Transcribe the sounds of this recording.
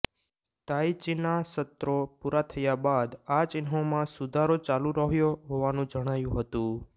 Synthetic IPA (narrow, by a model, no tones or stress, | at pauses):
t̪ajit͡ʃinasət̪ɾopuɾat̪ʰəjabad̪at͡ʃɪnɦomãsud̪ʱaɾot͡ʃalũɾəɦjoɦoʋanũd͡ʒəɽ̃ajũɦət̪ũ